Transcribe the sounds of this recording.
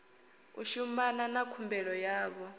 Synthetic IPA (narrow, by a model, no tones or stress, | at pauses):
ṵʃumananakʰumbɛɺɔjaːβɔ